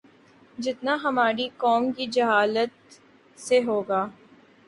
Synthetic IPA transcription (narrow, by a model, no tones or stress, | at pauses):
d͡ʒɪt̪naɦɐmaːɾikɔːmkid͡ʒɐɦaːlət̪̚ | seɦoːɡaː